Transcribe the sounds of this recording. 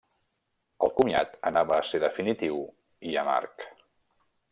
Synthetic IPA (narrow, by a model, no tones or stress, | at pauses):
əlˠkumia̰t̪ənaβəːseðəfinit̪iw | iəma̰rk